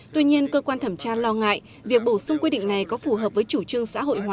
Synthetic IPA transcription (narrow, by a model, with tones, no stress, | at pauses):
t̪wi˧ɲi˧ənkəː˧kwaː˧nt̪ʰə˧˩mt͡ɕaː˧lɔ˧ŋa̰ː˧˨j | vi˨˩ək̚ɓo˧˩sʊ˧ŋ͡mkwi˧ɗḭ˧˨ŋ̟na˨˩jkɔ˨˦fu˧˩ɦəː˨˩p̚vəː˨˦jt͡ɕu˧˩t͡ɕɨ˧əŋsa̰ː˧˥ɦo̰˧˨jhwaː˨˩